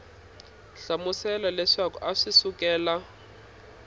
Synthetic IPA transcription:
ɬamusɛlɔlɛʂakṵʔaʂisukɛːla

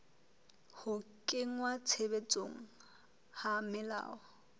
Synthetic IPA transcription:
hʊkʼɪŋwat͡sʰebet͡sʼoŋ̩ | hamɪla̰ːɔ

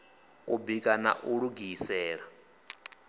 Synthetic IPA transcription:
ubikʼana̰ʔuɺuɡisɛːɺa

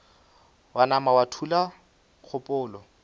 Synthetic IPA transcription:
wanamawatʰula | k͡xʰʊpʼʊːlɔ

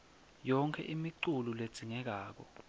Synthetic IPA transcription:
jɔŋkʰɛ̰ʔimiǀululed̥z̥ʱiŋɛk̬aːk̬ɔ̰

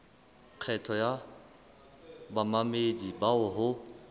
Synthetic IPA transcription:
q͡χʰɛtʰɔja | bamamedibaʊɦʊ

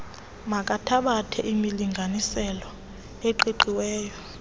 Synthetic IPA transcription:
mak̬ʼatʰaɓatʰɛʔimiliŋɡʱanisɛlɔ | eǃiǃiwɛːjɔ

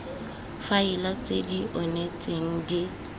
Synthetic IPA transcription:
faɪlat͡sʼediʔɔnet͡sʼeŋ̩dɪ

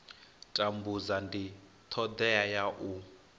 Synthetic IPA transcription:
tʼambuzandi | t̪ʰɔd̪ɛajaʔu

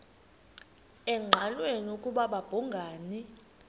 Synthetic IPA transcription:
ɛŋ͡ǃʱalwenukʼuɓaɓab̥ʱuŋɡʱaːni

